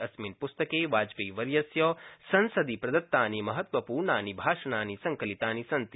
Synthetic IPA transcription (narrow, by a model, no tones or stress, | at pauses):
ɐsminpust̪ɐkeːʋaːd͡ʒpeːʋɐɾjɐsjɔːsɐnsɐd̪ipɾɐd̪ɐt̪ːaːnimɐɦɐt̪ʋɐpuːɾɳaːnibʱaːʂɐnaːnisɐŋkɐlit̪aːnisɐnt̪